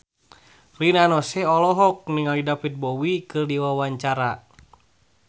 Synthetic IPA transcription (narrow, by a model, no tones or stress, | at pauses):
linanɔsɛɔlɔɦɔk̚niŋalidapit̪̚bɔwikɨrdiwawaɲt͡ʃaɾa